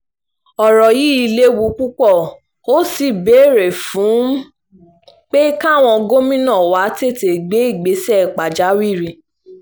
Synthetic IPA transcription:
ɔ˨ɾɔ˨ji˦i˧le˦wu˧˦k͡pu˦k͡pɔ˦˨ | o˦si˧be˨˦˨ɾe˨fũ˨˦ | k͡pe˦ka˦˨w̃ɔ̃˧ɡo˦mĩ˦nɔ̃˦˨wa˨˦te˦˨te˨ɡ͡be˨˦i˦˨ɡ͡be˨˦sɛ˦˨k͡pa˨d͡ʒa˨˦wi˦˨ɾi˧

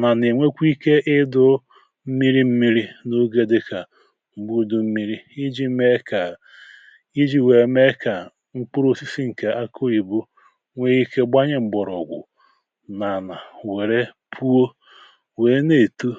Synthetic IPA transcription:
na˨ne˨ŋʷe˦kʷi˦ke˦ʔɪ˦dʊ˦ | m̩˦mi˦ɾi˦m̩˦mi˦ɾi˦no˦ɡe˦dɪ˦ka˨ | ŋ͡m̩˨bu˦dʊ˨m̩˦mi˦ɾi˦i˦d͡ʒi˦me˦ka˨ | i˦d͡ʒi˨we˨˦me˦ka˨ | ŋ͡m̩˦k͡pʊ˦ɾo˦si˦si˦ŋ̩˨ke˨ʔa˦kʰo˦i˨bu˦ | ŋʷe˦i˦ke˦ɡ͡ba˦ɲe˦ŋ͡m̩˨ɡ͡bɔ˨ɾɔ̰˨ɡʷʊ̰˨ | na˨na˨we˨ɾe˦ | pʰu˦o˦ | we˨˦ne˨tu˦

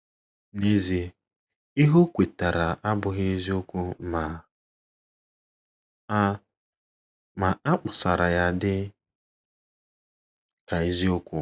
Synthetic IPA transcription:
ne˦zi˦ | i˦ɦo˦kʷe˨ta˨ɾa˨ʔa˦bʊ˨ɣe˦i˦zi˦ʊ˦kʷʊ˦ma˨˦ | ma˨a˦k͡pʊ˨sa˨ɾa˨ja˦dɪ˦ | ka˨i˦zi˦ʊ˦kʷʊ˦

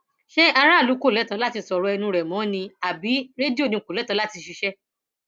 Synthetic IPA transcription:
ʃe˦a˧ɾ̃ã˦˨lu˨˦ko˦˨lɛ˨˦tã˧˦la˦ti˧sɔ˨ɾu˨˦ɛ˧nũ˧ɾɛ˨mɔ̃˨˦nĩ˧a˨bi˨˦ɾe˦di˦o˦˨nĩ˧˨ku˨lɛ˨˦tã˧la˦ti˧ʃi˧ʃɛ˦

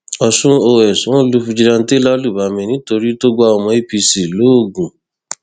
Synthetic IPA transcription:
ɔ˧sũ˦o˧ɛ˨sũ˨˦lu˦˧fu˧d͡ʒi˧ɾã˧˦te˦la˦lu˦˨ba˨˦mĩ˧nĩ˦to˧ɾi˦to˦ɡ͡ba˦ɔ˧mɔ̃˧˦e˦pi˧si˨lo˨˦˨ɡũ˨

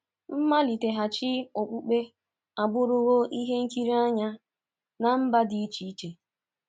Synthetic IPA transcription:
m̩˦ma˦li˨te˨ɦa˨t͡ʃɪ˦o˨k͡pu˦k͡pe˦ | a˨ɡ͡bʊ˦ɾʊ˦ɣo˦ʔi˦ɦe˦ŋ̩˦ki˦ɾi˦a˦ɲa˦ | na˨m̩˦ba˦di˨i˦t͡ʃi˨˦i˦t͡ʃe˨

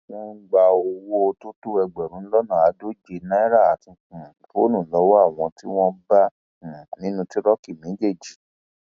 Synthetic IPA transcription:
ɔ̃˦ɡ͡ba˧o˧wo˦o˧to˦to˦ɛ˧ɡ͡bɛ˨ɾũ˨˦lɔ˦nɔ̃˦˨a˨˦do˦d͡ʒe˧nã˦ɛ˦ɾa˦˨a˨˦tĩ˧kũ˨fo˦nũ˦˨lɔ˨˦wo˦a˦˨w̃ɔ̃˧ti˦w̃ɔ̃˦bã˦˨ | nĩ˦nũ˧ti˦ɾɔ˦ki˦˨mẽ˨˦d͡ʒe˦˨d͡ʒi˨˦

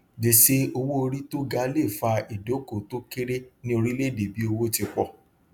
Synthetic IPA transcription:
de˨se˧˦o˧wo˦o˧ɾi˦to˦ɡa˧˦le˦˨fa˧i˨do˨˦ko˨to˦ke˦ɾe˦nĩ˦o˧ɾi˦le˦˨de˨bi˨˦o˧wo˦ti˧k͡pɔ˦˨

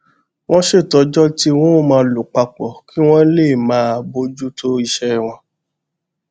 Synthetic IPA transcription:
w̃ɔ̃˦ʃe˦˨tɔ˧˦d͡ʒɔ˦ti˦w̃ɔ̃˦mãː˧lo˨k͡pa˧k͡pɔ˨kʰi˦w̃ɔ̃˦le˦˨mãː˨˦a˧bo˧˦d͡ʒu˦tʰo˦i˧ʃɛ˦w̃ɔ̃˧

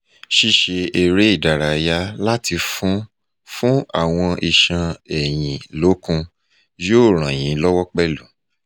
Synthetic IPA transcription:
ʃi˧ʃe˧e˨ɾe˨˦i˦˨da˨ɾa˨ja˨˦la˦ti˧fũ˦ | fũ˦a̰˦˨w̃ɔ̃˧ʔi˨ʃã˧ɛ˨j̃ĩ˨lo˨˦kũ˧ | jo˦˨ɾ̃ã˨j̃ĩ˨˦lɔ˦wɔ˦k͡pɛ˦˨lu˨

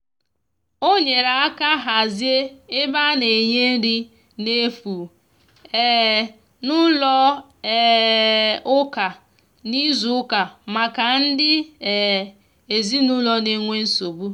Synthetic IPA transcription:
o˦ɲe˨ɾa˨a˦ka˦ɦa˨zje˦ɪ˦ba˦ne˨ɲe˦n̩˦ɾi˦ | ne˦fu˨ | ɛ˦˨ | nʊ˦lɔ˦˨ | ʊ˦ka˨ | ni˦zu˨ʊ˦ka˨ma˨ka˨n̩˦dɪ˦˨ | e˨zi˦nu˦lɔ˨ne˨ŋʷe˦n̩˦so˨bu˦

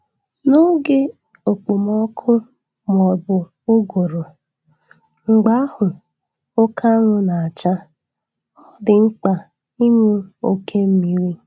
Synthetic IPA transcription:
no˦ɡe˦ | o˨k͡po˨mɔ˦kʰʊ˦ | m˨ɔ˨bʊ˨ | o˦ɡo˨ɾo˨ | ŋ͡m̩˨ɡ͡ba˦a˦hʊ˨ | ʊ˦ka˦ŋʷʊ˦na˨a˨t͡ʃa˦ | ɔ˦dɪ˨ŋ͡m̩˦k͡pa˨ | i˦ŋu˦o˦kʰe˦m̩˦mi˦wi˦

